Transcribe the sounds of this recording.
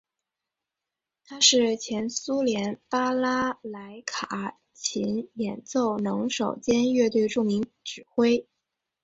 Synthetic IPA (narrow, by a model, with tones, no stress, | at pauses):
t̪ʰa˥ʂɻ̩˥˩t͡ɕʰjɛ˧˥nsu˥ljɛ˧˥npa˥la˥la˧˥ɪkʰa˨˩˦ | t͡ɕʰi˧˥njɛ˨˩nt͡so˥˩ʊnɤ˧˥ŋʂo˨˩ʊt͡ɕjɛ˥nɥɛ˥˧t̪we˥˧ɪʈ͡ʂu˥˩ŋmi˧˥ŋʈ͡ʂɻ̩˨˩xwe˥ɪ